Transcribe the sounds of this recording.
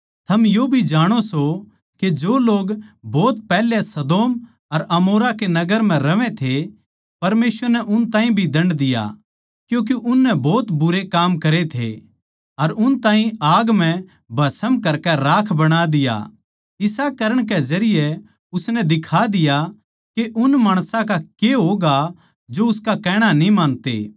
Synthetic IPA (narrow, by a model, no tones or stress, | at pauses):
t̪ʰɐmjobʱid͡ʒaːɽ̃oso | ked͡ʒoːloːɡbɔːt̪̚pɛːlesɐd̪oːm | ɐɾɐmoːɾakenɐɡəɾm̤ɛ̃ɾɐʋɛ̃t̪ʰe | pɐɾmeːsʋəɾnɛʔʊnt̪aːɦĩbʱid̪ɐ̃ɳɖd̪ɪja̰ | kjũːk̬eʔʊnːɛbɔːt̪bʊɾekaːmkɐɾet̪ʰḛ | ɐɾʊnt̪ãːɦĩaːɡm̤ɛ̃ | bʱɐsəmkɐɾkɛɾaːkʰbɐɽ̃ad̪ɪja̰ | ɪsakɐɾəɽ̃kɛzɐɾɪjɛ | ʊsnɛd̪ɪkʰad̪ɪja | keʔʊnmaːɽ̃sãkakeɦoɡa | d͡ʒoʊskakɛːɽ̃anĩmãːnt̪ḛː